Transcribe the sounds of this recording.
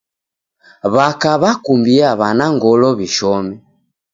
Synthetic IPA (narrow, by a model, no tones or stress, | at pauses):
βakaβakumbiaβanaŋɡɔlɔβiʃɔmɛ